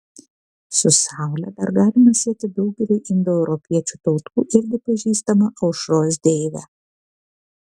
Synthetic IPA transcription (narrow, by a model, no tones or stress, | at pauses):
sʊsɑˑʊlʲɛd̪ɐɾɡɑːlʲɪmɐsʲiɛt̪ʲɪd̪ɒʊɡʲɛlʲɛɪʔɪnd̪ɔɛʊɾɔpʲiɛt͡ʃʲut̪ɒʊt̪uːʔɪɾʲɡʲɪpɐʒʲiːst̪ɐmɐʔɐʊʃɾoːsd̪ʲeːɪʋʲæ̰